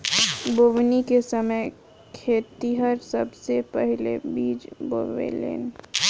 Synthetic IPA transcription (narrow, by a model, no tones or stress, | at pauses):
boʋnikesɐməj | kʰeːt̪iɦəɾsɐbsepɛɦlḛbiːd͡ʒbo̰ʋḛlḛːn